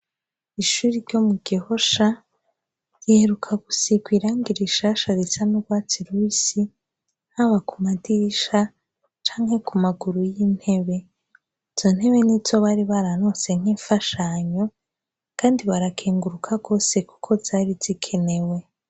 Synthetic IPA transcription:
iʃuɾiɾɟo̞muɡ̥iho̞ʃa | jiheɾukʰaɡusiɡwiːɾaŋɡiɾiʃaʃaɾisanuɡwaːt͡siɾwisi | haβakumadiʃa | t͡ʃaːŋhe̞kumaɡuɾujiːn̥he̞βe̞ | iz̥o̞n̥he̞βe̞nizo̞βaɾiβaɾano̞se̞ŋ̥iːɱfaʃaɲo̞ | kaːndiβaɾakʰeːŋɡuɾukʰaɡo̞ːse̞ku̥kʰo̞zaːɾiz̥ikʰe̞ne̞we̞

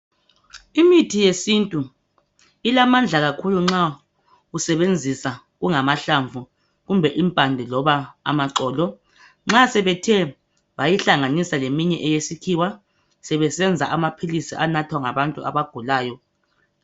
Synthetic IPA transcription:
imitʰijesintʼu | ilamand͡ɮʱaɣakʰuluŋ͡ǁa | usɛβend͡zʱisa | ɣuŋamaɬaɱvʱu | ɣumbʱɛʔimpʼandʱɛlɔβaa̰maǀɔːlɔ | ŋ͡ǁasɛβɛtʰɛ | βajiɬaŋanisalemiɲɛʔɛjesikʰiwa | sɛβɛsɛnd͡zʱa̰ʔamapʰilisiʔanatʰwaŋaβantʼṵʔa̰βaɡ̥ʱulaːjɔ

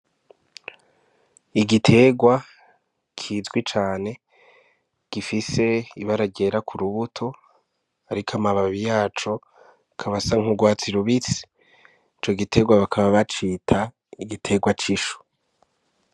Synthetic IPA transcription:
iɡitʰe̞ːɡwa | kʰiːzɡwit͡ʃaːne̞ | ɡ̥ifise̞iβaɾaɡe̞ɾakʰuɾuβutʰo̞ | aɾikʰamaβaβijaːt͡ʃo̞ | kʰaβasaŋ̥huɡwaːt͡siɾuβit͡si̥ | it͡ʃo̞ɡitʰe̞ɡwaβakʰaβaβat͡ʃiːtʰa | iɡitʰe̞ːɡwat͡ʃiʃu̥

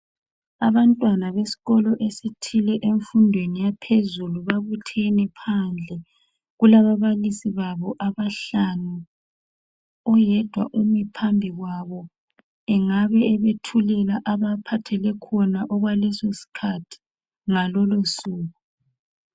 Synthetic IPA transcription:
aβantʼwanaβesi̥ɣɔlɔʔesitʰilɛʔeɱfundʱwenijapʰezuluβaβutʰɛnɛpʰand͡ɮʱɛ | ɣulaβaβalisiβaβɔʔaβaɬanu | ɔjɛd̥ʱwa̰ʔumipʰambʱiɣwaβɔ | ɛŋaβɛɛβetʰulɛlaʔaβapʰatʰɛlɛkʰɔnaʔɔɣwalɛsosi̥kʰatʰi̥ | ŋalɔlosuːɣu

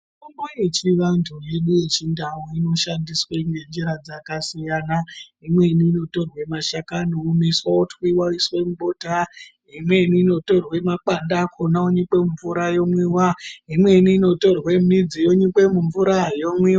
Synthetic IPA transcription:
ukumbojet͡ʃiʋantʰuje̞ɗuje̞t͡ʃindawoino̞ʃandisweŋɡend͡ʒeɾad͡zakasijaːna | imwe̞niːno̞to̞rwe̞maʃakanoumiswautwiwaiswemuɓo̞ta | imweniːno̞to̞rwe̞mak͡pandakʰonaoɲikwe̞muɱvuɾajo̞mwiwaimwe̞niːno̞to̞rwe̞mid͡zijoɲikwe̞muɱvuɾajomwiwa

